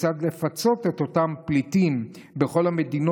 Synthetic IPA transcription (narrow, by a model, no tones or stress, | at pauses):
t͡sad̪le̞fat͡so̞t̪et̪o̞tamplitim | be̞χo̞lhame̞d̪ino